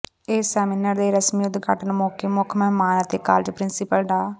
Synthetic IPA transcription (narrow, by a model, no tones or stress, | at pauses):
eːsɛːminəɾd̪eːɾəsmiʊd̪ɡʱəʈənmoːkeːmʊkʰmɛmaːnət̪eːkaːld͡ʒpɾɪnsɪpəlɖaː